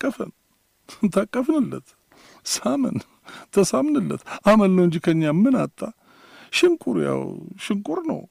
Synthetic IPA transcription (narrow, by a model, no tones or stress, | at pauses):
kʼːəfən | t̪ʰakʼːəfnɨlːət̪ | samə̰n | t̪ʰəsamnɨlːə̰t̪ʔaməlnəwɨɲd͡ʒikʰəɲːamːɨnat̪ʼːa | ʃɪŋkʼuɾja̰wʃɪŋkʼuɾnə̰w